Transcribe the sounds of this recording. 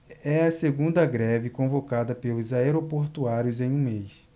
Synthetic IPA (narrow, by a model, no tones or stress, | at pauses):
ɛɐseɡũnd̪ɐɡɾɛvɪkõvokad̪ɐpelʊzaeɾopoɾt̪uaɾjʊzẽj̃ũmejs